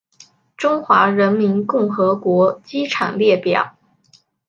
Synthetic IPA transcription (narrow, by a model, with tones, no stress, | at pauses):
ʈ͡ʂʊ˥ŋxwa˧˥ɻə˧˥nmi˧˥nkʊ˥˩ŋxɤ˧˥kwɔ˧˥t͡ɕi˥ʈ͡ʂʰɑ̰˨˩ŋljɛ˥˩pjɑ̰˨˩˦